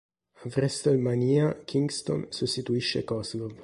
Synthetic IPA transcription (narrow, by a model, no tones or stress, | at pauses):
avɾɛst̪almaniːakʰiŋɡst̪o̰nsust̪it̪uiʃːekɔzlov